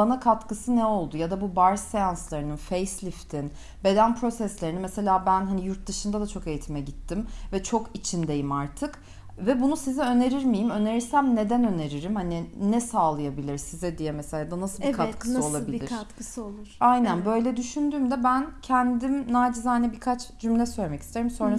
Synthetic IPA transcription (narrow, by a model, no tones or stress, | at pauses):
anakʰat̪kɯsɯnɛo̞lˠd̪ujad̪abubaɾsejanslˠaɾɯnɯnfejslʲift̪ʰin | be̞d̪ænpʰɾo̞sɛslʲe̞ɾinimɛse̞lʲaːbænɦanijuɾt̪̚d̪ɯʃɯnd̪ad̪at͡ʃʰo̞ke̞jit̪ʰimɛɟit̪ʰːimvɛt͡ʃʰo̞kit͡ʃʰind̪e̞jimaɾt̪ʰɯk | vɛbunusizɛø̞ne̞ɾiɾmijimø̞ne̞ɾiɾsæmne̞d̪ænø̞ne̞ɾiɾimhaniɪnɛsaːlˠɯjabilʲiɾsizɛd̪ijɛmɛse̞lʲaːd̪anasɯlˠkʰat̪kʰɯsɯo̞lˠabiliiɾat̪kɯsɯolˠuɾ̥ajnænbø̞jlʲɛd̪yʃynd̪yːmd̪ɛbæncʰɛnd̪imnaːd͡ʒizanɛbiɾkʰat͡ʃd͡ʒymlʲɛsøjlʲemɛci̥st̪ʰe̞ɾimso̞nɾa